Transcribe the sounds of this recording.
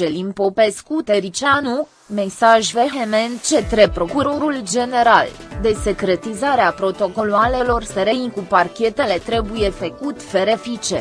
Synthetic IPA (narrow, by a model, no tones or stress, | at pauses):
elimpo̞pe̞skut̪eɾit͡ʃanu | me̞saʒvexement͡ʃet̪ɾepɾo̞kuɾo̞ɾuld͡ʒe̞ne̞ɾald̪e̞se̞kɾe̞t̪izaɾeapɾo̞t̪o̞ko̞loale̞lo̞rseɾenʲkuparkʲe̞t̪e̞le̞t̪ɾe̞buje̞fəkut̪ʲfeɾefit͡ʃḛ